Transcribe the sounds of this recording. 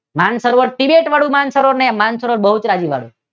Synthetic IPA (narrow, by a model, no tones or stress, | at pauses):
mansəɾʋoɾʈibeʈʋaɽũmansəɾoɾnemansəɾʋoɾbəɦut͡ʃɾad͡ʒiʋa̰ɽṵ̃